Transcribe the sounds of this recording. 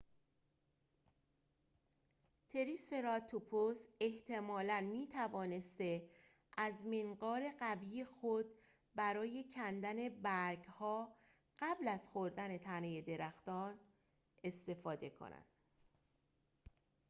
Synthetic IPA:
t̪ʰe̞ɾise̞ɾɒt̪ʰopʰose̞ht̪ʰe̞mɒːlænmiːt̪ʰævɒːne̞st̪e̞ | ʔæzmeŋɢɒːɾe̞ɣæviːjexod̪̚ | bæɾɒːje̞cʰænd̪æne̞bæɾɡhɒː | ɢ̥æblæzxoɾd̪æne̞t̪ʰæneje̞d̪e̞ɾæxt̪ɒːn | e̞st̪e̞fɒːd̪e̞kʰo̰næ̰nd̪̥

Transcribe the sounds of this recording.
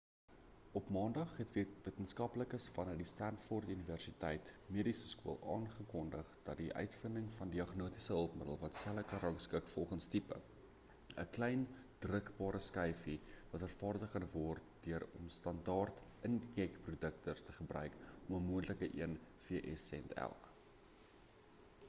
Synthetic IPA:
ɔpmɑːndɐχɦɛtvvətənskɐpləkəsfɐnərdistæntfɔrtyniværsitɛjtmiəɾisəskuəlˠɑːnχəkɔndəχd̥ɐtdiʔœ̰ɥtfəndəŋfɐndiɐχnuətisəɦəlˠpmədə̰lˠvɐtsæləkɑɾɐŋskəkfɔlˠχənstipə̰ | əklɛjn | d̥rəkbɑːɾəskɛjfivɐtɦærfɑːrdəkɐnvɔrt̚d̥øəɾɔ̰mstɐndɑːrtənkɛkprudəktərtəχəbrœ̰ɥkʔɔməmuəntləkəʔiənfiəʔɛsɛntæ̰lˠk

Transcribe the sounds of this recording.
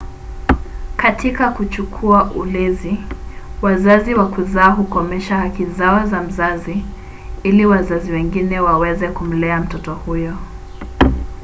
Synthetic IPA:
katʰikakut͡ʃukʰuaʔulɛziwazaziwakuzaːɦukɔmɛʃahakizaazam̩zazi | iliwazaziwɛŋɡinɛwawɛzɛkum̩lɛam̩tɔtɔhujɔ

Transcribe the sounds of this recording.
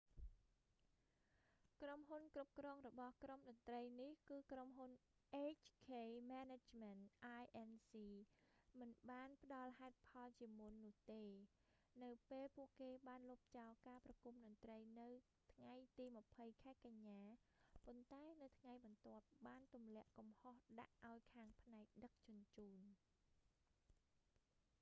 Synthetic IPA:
kromɦunkrup̚krɔːŋrɔɓɑhkromɗɑt̪rəjnihkɨːkromɦunʔeːt͡ɕʰkʰeːmanet͡ɕmɛnt̪ʔaːjʔɛnsiːmɨnɓaːnpə̆ɗɑlɦaɛt̪̚pʰɑlt͡ɕiəmunːʊ̆əht̪eː | nɨwpeːlpuəʔkeːɓaːnlup̚t͡ɕaɔlkaːprɑkumɗɔnt̪rəjnɨw | t̪ʰŋajt̪iːmə̆pʰəjkʰaɛkaɲːaːpont̪aɛnɨwt̪ʰŋajɓɑnt̪ŏəp̚ɓaːnt̪umlɛ̆əʔkɑmhohɗa̰ʔʔaɔjkʰaːŋpʰnaɛk̚ɗək̚t͡ɕʊ̆ənt͡ɕuːn

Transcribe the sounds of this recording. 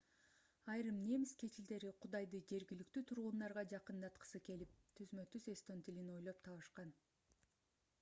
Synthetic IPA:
ɑjɾɯmne̞mskʰe̞t͡ʃild̪e̞ɾiqʰʊd̪ɑjd̪ɯd͡ʒe̞ɾɡʲilykt̪yːt̪ʰuɾʁund̪ɑɾʁɑd͡ʒɑqɯnd̪ɑt̪qə̥sɯke̞lip̚t̪ʰyzmø̞t̪yze̞st̪ont̪ilino̞jlˠo̞p̚t̪ʰɑβɯʃqɑn

